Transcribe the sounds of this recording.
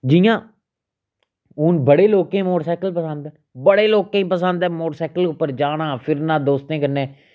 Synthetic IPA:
d͡ʒijãː | ʊːnbəɽeːloːkẽːmoːʈsaːkəlpəsənd̪ɛː | bəɽeːloːkẽːĩpəsənd̪ɛ̃ːmoːʈsaːkəlʊpːəɾd͡ʒaːɽãːpʰɪɾnãːd̪oːst̪ẽːkəɾneː

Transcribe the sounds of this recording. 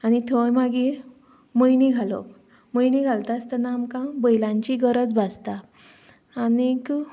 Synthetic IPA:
anit̪ʰojmaɡiːɾ | məjniɡʱalo̰p | məjniɡʱalt̪ast̪ənamkãbəjlãɲt͡ɕiɡəɾət͡sbʱad͡zt̪aː | nik

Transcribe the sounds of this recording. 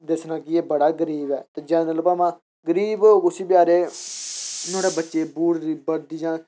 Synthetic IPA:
d̪ɪsnãːkɪeːbəɽaːɡəɾiːbɛ̰ːt̪eːd͡ʒɛ̃ːnələpaːmãː | ɡəɾiːbkʊsiːpɪjaːɾeː | noːɽeːbətːʃeːbuːɽɾiːbəɾd̪iːd͡ʒãː

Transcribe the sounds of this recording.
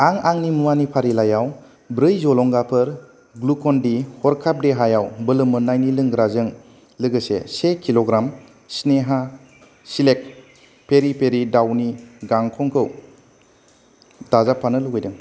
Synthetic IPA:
aŋaŋnimuwanipʰaɾilajaw | bɾɯjzɔlɔŋɡapʰɯɾ | ɡlukʰɔndihɔɾkʰap̚deɦajawbɯlɯmɯnajnilɯŋɡɾazɯŋ | lɯɡɯsḛsekʰiloɡɾam | sneɦa | silek̚ | pʰeɾipʰeɾidawniɡaŋkʰɔŋkʰɯw | dazapʰːanɯluɡɯjdɯŋ

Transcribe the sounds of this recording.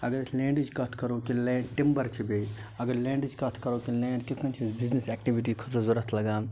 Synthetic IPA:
ɐɡɐɾlẽːɳɖid͡ʒkɐt̪ʰkɐɾokileːɖʈimbəɾt͡ʃʰibeiɐɡɐɾlẽːɳɖid͡ʒkɐt̪ʰkɐɾokilẽːɳɖkikʰɐnt͡ʃʰsbiznesɛk̚ʈiʋiʈ̬ikʰɐsozoɾɐt̪ʰlɐɡaːm

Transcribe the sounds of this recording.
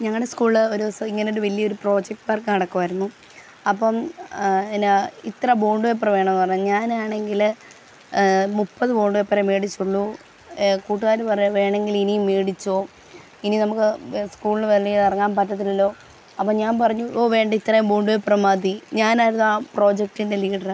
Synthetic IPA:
ɲɐŋːɐɭɽeskuːɭɨoɾusiŋːɐnejoɽuʋɐlːijɐo̞ɾupro̞ːd͡ʑek̚ʈʋaːrkːɨnɐɽɐkːuʋɐɾunːu | ɐpːɐm | enit̪rɐboːɳɖuʋep̬ːrɐʋe̞ːɳɐmnːɨpɐrɐɲːuɲaːnaːɳe̞ŋɡil | mupːɐðɨbo̞ːɳɖuʋepːɐɾemeːɽit͡ɕːuɭːu | kuːʈːuɣaːɾupɐrɐɲuʋe̞ːɳe̞ŋɡilinijmːeːɽit͡ɕːo̞ː | ininɐmukːɨskuːɭilʋeɭilɐrɐŋːaːnpɐtːɐt̪̬ːilɐlːo̞ː | ɐpːɐmɲaːnpɐrɐɲːuʔoːʋe̞ːɳɖɐit̪ːrɐjumboːɳɖuʋeprɐmaːd̪iɲaːnaːjiɾunːaːpro̞ːd͡ʑek̚ʈːindeliːɖɐr

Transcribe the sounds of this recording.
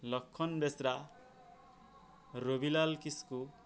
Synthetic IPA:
lʌkʰːʌnbesɾa | ɾobilalkisku

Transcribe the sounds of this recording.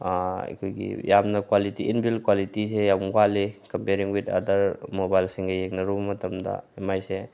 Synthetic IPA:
a̰kʰujɡḭjamnɐkwalitiinbilkwalitisejaŋkalikɐmpeɾiŋwita̰dɐɾmobajlsiŋɡɐjeŋnɐɾubɐmɐtɐmda̰emajse

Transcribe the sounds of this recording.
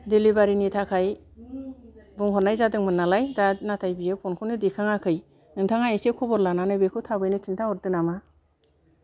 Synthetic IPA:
delibaɾinitʰakʰaj | bɔŋɦɔnajzadɯŋmɯnːalajdanatʰajbijepʰɔnkʰɯwnɯdikʰaŋakʰɯj | ɯŋtʰaŋajesekʰɔbɔɾlananɯjbekʰɯtʰabɯjnɯkʰintʰaɔɾ̚dɯnama

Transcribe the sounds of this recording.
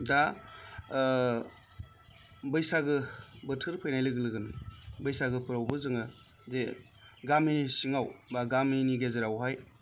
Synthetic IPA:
da | bɯjsaɡɯbɯtʰɯɾpʰɯjnajlɯɡɯlɯɡɯnbɯjsaɡɯpʰɯɾawbɯzɯŋɯ | ze | ɡaminisiŋawbaɡaminiɡezeɾawɦaj

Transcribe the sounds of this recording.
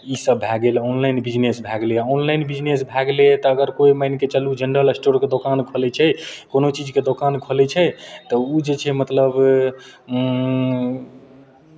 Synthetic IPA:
isəbːʱɛɡelɔnlajnbid͡ʒnesbʱɛɡleɔnlajnbid͡ʒnesbʱɛɡlet̪ɔəɡəɾkoiməjnket͡ʃəlud͡ʒəɳɖəlsʈoɾked̪okankʰolɛt͡ʃʰɛkonot͡ʃid͡ʒked̪okankʰolɛt͡ʃʰɛt̪ɔud͡ʒet͡ʃʰɛmət̪ləb

